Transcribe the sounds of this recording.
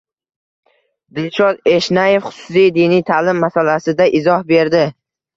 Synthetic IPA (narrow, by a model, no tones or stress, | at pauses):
d̪ɪlʃɒd̪e̞ʃnaje̞fχʊ̥sʊ̥sijd̪inijt̪ʰalɪmːasalasɪd̪aʔɪzɒhbe̞ɾd̪ɪ